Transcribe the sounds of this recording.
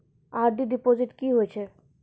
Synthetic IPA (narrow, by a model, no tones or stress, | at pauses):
aɾɖiɖipoziʈkiɦojt͡ɕʰe